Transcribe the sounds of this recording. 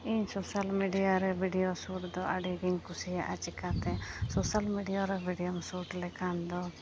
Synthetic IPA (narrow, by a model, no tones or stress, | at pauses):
iɲsɔsalmiɖijaɾɛbʱiɖijosuʈd̪ɔʔaɖiɡiɲkusijaʔat͡ʃikat̪ɛsɔsalmiɖijoɾɛbʱiɖijɔmsuʈlɛkand̪ɔ